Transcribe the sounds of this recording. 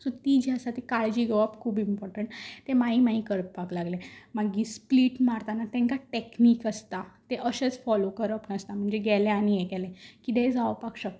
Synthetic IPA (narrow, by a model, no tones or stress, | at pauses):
sɔt̪id͡ʑəsat̪ikaɭd͡ʑiɡəʋapkʰuːbimpɔɾʈəɳʈt̪emaimaɦikəɾəppaklaɡlemaɡispliʈmaɾt̪anat̪ɛ̃ŋkaʈekniːkəst̪at̪eʔəɕet͡sfɔlokəɾəpnəst̪am̤əɳd͡zeɡɛlẽañijɛɡɛlẽkit̪ẽd͡zaʋpakɕək̚t̪